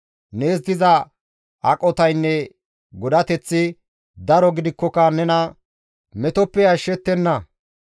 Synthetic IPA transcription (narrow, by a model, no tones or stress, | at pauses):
neːsd̪ɪzɐ | ɐkʼːɔt̪ɐjnːɛ | ɡɔd̪ɐt̪ɛt͡sːɪ | d̪ɐɾɔɡɪd̪ɪkːɔkɐnɛnɐ | mɛt̪ɔpːɛjɐʃːɛt̪ːɛnːɐ